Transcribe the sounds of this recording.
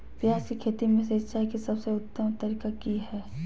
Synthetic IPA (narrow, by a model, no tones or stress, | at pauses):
pjaːskikʰeːt̪imẽset͡ʃaːikisɐbseʊt̪ːəmt̪ɐɾikakiɦɛː